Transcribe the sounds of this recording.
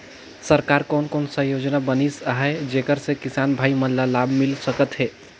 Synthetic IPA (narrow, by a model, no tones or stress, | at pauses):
səɾkaɾkonkonsə̃jod͡ʒnabənisaɦed͡ʒekəɾsẽkisanbʱaiməllːalabmilsəkət̪ɦe